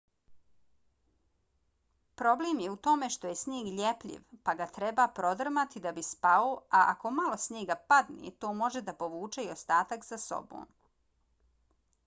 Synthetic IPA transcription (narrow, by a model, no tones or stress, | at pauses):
pɾo̞bleːmjeut̪o̞me̞ʃt̪o̞je̞sɲeːɡʎʲepʎʲḭʋpaɡat̪ɾebapɾo̞d̪r̩mat̪id̪abispaoaʔa̰ko̞malo̞sɲeːɡapad̪nḭt̪o̞ːmo̞ʒed̪apo̞ʋuːt͡ʃe̞iost̪aːt̪akzaso̰bo̰ːn